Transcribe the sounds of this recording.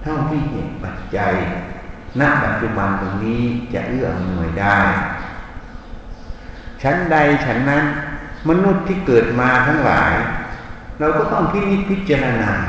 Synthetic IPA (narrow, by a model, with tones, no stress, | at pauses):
t̪ʰɔ˧˥˩wt̪ʰiː˧˩he˨˧˩t̪̚pa˨˩t̪̚t͡ɕa˧j | na˧˥ʔpa˨˩t̪̚t͡ɕu˧˨ba˧nt̪o˧ŋniː˦˥˩t͡ɕa̰˧˩lɯ˥˩ɐm˧nu˧˩˨jda˧˩j | t͡ɕʰa˦˥nda˧jt͡ɕʰa˦˥nːa˦˥˨nma˧nu˧˥˩t̪ʰːiː˧˩kɤː˨˩t̪̚maː˧t̪ʰa˦˧˥ŋla̰ː˨˦j | ɾaː˧wkɔː˧˩t̪ɔ˥˩ŋkʰi˧˩ni˧˥˩pʰi˧˥˩t̪̚t͡ɕaː˧ɾa˧naː˧